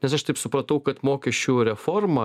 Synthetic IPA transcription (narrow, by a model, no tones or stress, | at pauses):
nʲɛsɐʃt̪ɐɪpsʊpɾɐt̪ɐʊkɐt̪moːkʲɛʃʲt͡ʃʲuɾʲɛfoːrmɐ